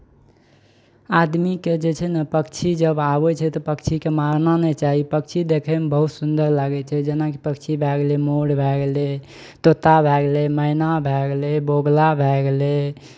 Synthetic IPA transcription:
ad̪miked͡ʒet͡ʃʰɛnapəkt͡ʃʰid͡ʒəbabɛt͡ʃʰɛt̪ɔpəkt͡ʃʰikemaɾnanɛt͡ʃaɦipək̚t͡ʃʰid̪ekʰɛmebəɦut̪sund̪əɾlaɡɛt͡ʃʰɛd͡ʒenakipəkt͡ʃʰibʱɛɡlemoɽbʱɛɡle | t̪ot̪abʱɛɡleməinabʱɛɡleboɡlabʱɛɡle

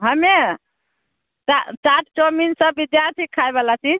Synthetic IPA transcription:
ɦəme | at͡ʃaʈʰt͡ʃominsəːid̪jaɾt̪ʰikʰːaebalat͡ʃid͡ʒ

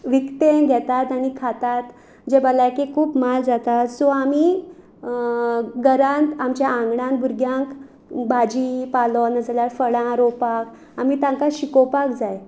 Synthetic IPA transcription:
ʋikt̪eɡʱɛt̪at̪aɽ̃ikʰat̪at̪ | d͡ʑebəlajkekʰuːpmald͡zat̪at̪sɔ̃ami | ɡəɾãnt̪amt͡ɕjaãŋɡɽãn̚bʱuɾɡjãŋk | bad͡ʑipalɔnəd͡zljaɾfəɽãɾɔpak | amit̪ãŋkaɕikɔpakd͡zaj

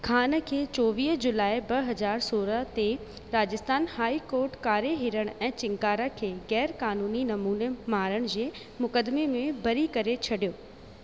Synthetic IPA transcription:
kʰaːnəkʰeːt͡ɕɔːʋiːɦd͡ʑʊlaːibɐɦɐd͡ʑaːɾsoːɾəɦt̪e | ɾaːd͡ʑəst̪aːnhaːikoːɾʈkaːɾeɦɪɾəɽ̃ɛ̃ːt͡ɕɪ̃ŋkaːɾəkʰeːɣɛːɾkaːnuːninɐmuːnemaːɾəɽ̃d͡ʑeː | mʊkəd̪memẽbɐɾikɐɾet͡ɕʰɐɗijoː

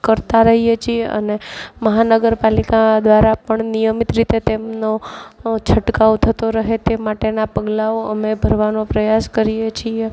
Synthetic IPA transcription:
kəɾt̪aɾəɦijet͡ʃʰieə̰neməɦanəɡəɾpalikad̪ʋaɾapəɳnijəmit̪ɾit̪et̪emnot͡ʃʰəʈkaʋot̪ʰət̪oɾəɦet̪emaʈenapəɡlaoəmebʱəɾʋanopɾəjaskəɾijet͡ʃʰie

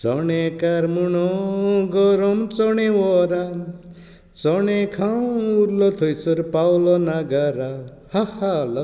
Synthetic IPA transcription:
t͡sɔɳekaɾmuɳɔɡɔɾɔmt͡sɔɳ̃ẽwɔɾa | t͡sɔɳekʰaw̃uɾlɔt̪ʰojsɔɾpawlɔnaɡaɾa | hahalɔ

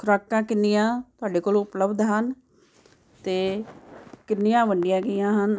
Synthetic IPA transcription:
kʰʊɾaːkːãːkɪnːɪjãːt̪ʊaːɖeːkoːlõʊpləbd̪ɦən | t̪eː | kɪnːijãːʋəɳɖɪjãːɡəjãːɦən

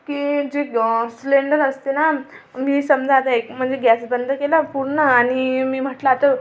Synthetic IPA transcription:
kiːd͡ʑesleɳɖənəst̪ena | miːsəmd͡zʱat̪aekm̤əɳd͡zeɡæsbənd̪ʱəkelapuɾɳəaɽ̃imiːm̤əʈlaːt̪ə

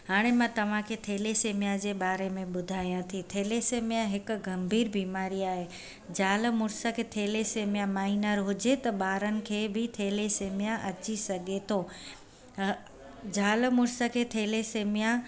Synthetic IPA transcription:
ɦaːɽ̃emãt̪ɐʋ̤ãkʰeːt̪ʰeːleseːmijad͡ʑeːɓaːɾemẽɓʊd̪ʱaːijãt̪ʰit̪ʰeːleseːmijãɦɪk̆ɡɐmbʱiːɾbiːmaːɾiaːɦe | d͡ʑaːlmʊɾsəkʰet̪ʰeːleseːmijamaːɦinəɾɦʊd͡ʑet̪ɐɓaːɾənɪ̆kʰeːbɪt̪ʰeːleseːmijaʔɐt͡ɕisɐɡʱet̪ʰoː | d͡ʑaːlmʊɾsəkʰeːt̪ʰeːleseːmijã

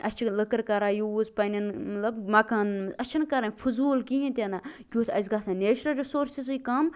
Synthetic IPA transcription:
ɐst͡ʃʰiləkɐɾkɐɾaːjuːzpɐnʲinmɐt̪lɐbmɐkaːnɐt͡ʃʰɐnkɐɾanʲfʰuzuːlkiĩt̪ʲanakʲuːt̪ʰɐ̰zɡaːsãneːt͡ʃɾɐlɾisoːɾsizikɐm

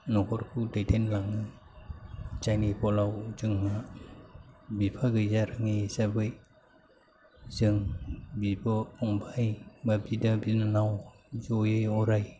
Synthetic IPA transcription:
nɔkʰɔɾkʰudajtʰenlaŋnɯ | d͡ʒajnipɔlawzɯŋma | bipʰaɡɯjzaɾɯŋisabɯj | zɯŋbibɔɔŋbʰajbabidabinanaw | zɔjɯjɔɾaj

